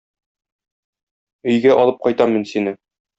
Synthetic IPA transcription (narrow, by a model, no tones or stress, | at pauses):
ɵ̆jɡæʔɒlˠɤp̚qɒjt̪ɑminsinɘ